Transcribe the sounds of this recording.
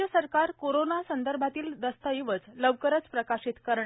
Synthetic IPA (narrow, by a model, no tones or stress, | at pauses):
əsəɾkaɾkoɾonasənd̪əɾbʱat̪iːld̪əst̪əjiʋət͡sləʋkəɾət͡spɾəkaɕit̪kəɾɳ